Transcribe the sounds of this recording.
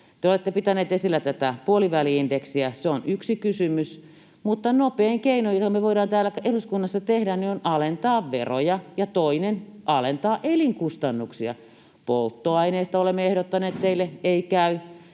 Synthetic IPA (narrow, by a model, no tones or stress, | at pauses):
t̪eolet̪ːepit̪æneːt̪esilːæt̪æt̪æpuoliʋæliindeksiæseonyksikysymys | mut̪ːɑnopeːŋkeinojot̪ɑmːeʋoidɑːnt̪æːlːækʔeluskunːɑsːɑt̪ehdæneonɑlent̪ɑːʋʋḛro̰jɑjɑt̪oinenʔɑlent̪ɑːʔeliŋkust̪ɑnːuksiɑ̰ | polt̪ːoɑineːst̪ɑolemːeehdot̪ːɑnˑeːt̪t̪eilːeeikæy